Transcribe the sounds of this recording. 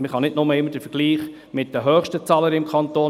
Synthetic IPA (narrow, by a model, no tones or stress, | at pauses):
məχɑnɪdnʊməɪmːəd̥əfəɾɡ̥liːχ | mɪt̚dəɦœːχʃtət͡sɑːləɾɪmkʰχɑnt̪oː